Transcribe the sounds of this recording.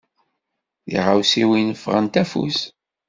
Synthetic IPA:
ḭʁawsiwinəfːʁənt̪æfṵs

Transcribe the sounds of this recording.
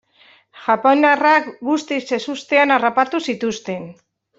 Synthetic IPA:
ʝaponarakɡust̪ise̞sust̪e̞anarapat̪usit̪ust̪e̞n

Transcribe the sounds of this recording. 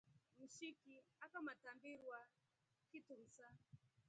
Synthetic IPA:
m̩ʃikiakamatambiɾwa | kitum̩sa

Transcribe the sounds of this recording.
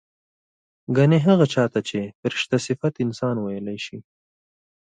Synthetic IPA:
ɡaneɦaɣat͡ʃɑt̪at͡ʃepɾɪʃt̪asɪfat̪ɪnsɑnwajəlajʃi

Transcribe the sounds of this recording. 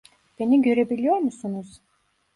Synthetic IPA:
b̥eniɡøɾebilʲijoɾmusunuz̥

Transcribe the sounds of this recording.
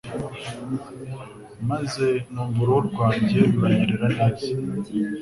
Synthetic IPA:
maze̞nuːɱvuɾowoɾɡwaːbɟeɾuɾaɲiɾiɾanabi

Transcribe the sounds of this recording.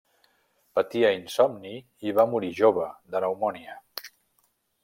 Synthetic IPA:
pət̪iəinsɔmni | iβamuɾiʒoβ̞əðənəwmɔniə

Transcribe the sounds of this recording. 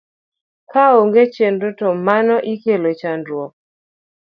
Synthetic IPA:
kaoŋɡet͡ʃendotɔmanɔʔikelot͡ʃandwɔk

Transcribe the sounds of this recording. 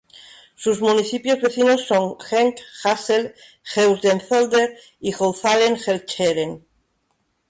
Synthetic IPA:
suzmuniθipjozβe̞θinosːoŋxeŋkxasel | xewzd̪enθold̪eɾ | iɣowθaleŋxelt͡ʃeɾeŋ

